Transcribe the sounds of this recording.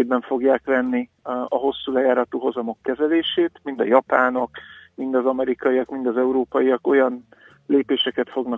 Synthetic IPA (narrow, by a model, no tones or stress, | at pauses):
d̪bɛɱfo̞ɡjaːkvɛnːiɒɦo̞sːuːlɛjaːɾɒt̪uɦo̞zɒmo̞kːɛzɛleːʃeːt̪mind̪ɒjɒpaːnokmind̪ɒzɒmɛɾikɒijɒkmind̪ɒzɛuɾoːpɒjijɒko̞jɒn | leːpeːʃɛkɛt̪fo̞ɡnɒ